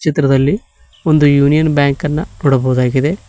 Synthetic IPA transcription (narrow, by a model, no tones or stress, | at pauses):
t͡ʃit̪ɾɐd̪ɐlːi | o̞nd̪ujuːnijɐnbjaːŋkɐnːɐnoːɽɐbɐɣud̪aːɡid̪e̞